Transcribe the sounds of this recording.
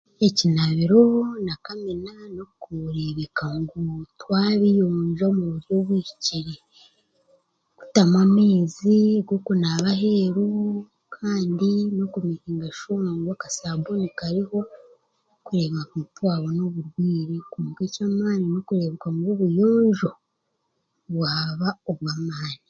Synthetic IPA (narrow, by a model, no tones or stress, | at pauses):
ecinaβiɾo̞nakamenano̞kuɾe̞βekaŋɡutwaːβijoːɲʒomuβuɾjoβwii̥ciɾe | ɡ̥u̥tamwameːziɡokunaβahe̞ɾu | kʰaːndino̞kumihiːŋɡaʃuaŋɡwakasabonikaɾiho̞ | kuɾe̞ːβakuutwaːβono̞βuɾɡwiːɾekuːɡecamaːninokuɾe̞βekaŋɡoβujoːɲʒo̞ | βwaːβaoβwamaːni